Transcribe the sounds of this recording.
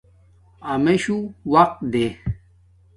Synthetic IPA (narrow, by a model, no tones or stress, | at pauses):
ɐmeɕuwɐq̚t̪d̪e